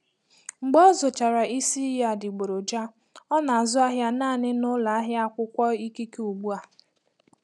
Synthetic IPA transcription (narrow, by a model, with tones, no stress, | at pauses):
ŋ͡m̩˨ɡ͡bɔ˦zʊ˨t͡ʃa˨ɾa˨i˦si˦ja˦dɪ˨ɡ͡bo˨ɾo˨d͡ʒa˦ | ɔ˦na˨a˨zʊ˦a˦ɦja˦naː˦˨nɪ˦nʊ˦la˨a˦ɦja˦a˦kʷʊ˦kʷɔ˦i˦ki˦ke˦u˨ɡ͡bu˦a˨